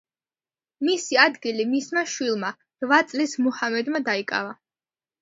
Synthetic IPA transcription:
misiad̪ɡilimismaʃwilˠma | ɾvat̪sʼlismɔhamɛd̪mad̪aikʼa̰va

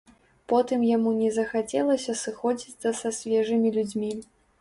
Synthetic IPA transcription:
pɔt̪ɨmjamunʲɛzɐxat͡sʲɛlˠɐsʲɐsɨxɔd͡zʲit͡s̪ʲsɐsɐsʲvʲɛʐɨmʲilʲud͡zʲmʲi

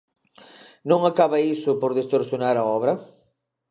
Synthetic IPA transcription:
nõŋakaβaisʊpoɾðest̪oɾθjonaɾaɔβɾɐ

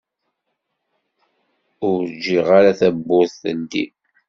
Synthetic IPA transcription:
ʊɾd͡ʒːiʁaɾaθæbːʊθθənd̪ḭ

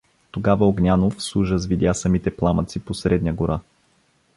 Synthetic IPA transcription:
t̪oɡavəoɡnʲanofsˠuʒəzvid̪ʲjasɐmit̪ɛplˠamət̪siposɾɛd̪nʲəɡoɾʔa

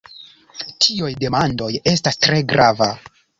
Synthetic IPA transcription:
tʰiujde̞mando̞je̞stastɾe̞ɡɾʔava

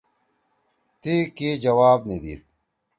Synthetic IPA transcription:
t̪ikid͡ʑɐwaːbnid̪ḭːt̪̚

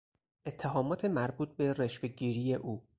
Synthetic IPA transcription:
ʔe̞t̪ʰːeɦɒːmɒːt̪ʰe̞mæɾbuːt̪̚ʰbe̞reʃfe̞ɡɟiːɾiːje̞ʔuː

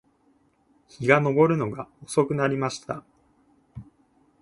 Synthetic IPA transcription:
çiɡano̞bo̞ɾɯ̟no̞ɡaoso̞kɯ̟naɾʲimaɕi̥t̪a

